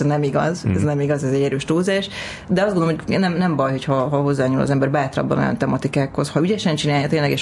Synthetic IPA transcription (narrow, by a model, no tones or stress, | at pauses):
nɛmiɡɒzɛznɛmiɡɒzɛzɛɟːɛɾøːʃt̪oːzaːʃ | d̪ɛɒzdɡonomojnɛmnɛmbɒjho̞chɒɦɒɦo̞zːaːɲuːlɒ̰zɛmbɛrbaːt̪rɒ̰bːɒ̰no̰jɒ̰nt̪ɛmɒt̪ikaːkho̞shɒyɟɛʃɛnt͡ʃinaːjɒt̪eːnlɛɡɛʃ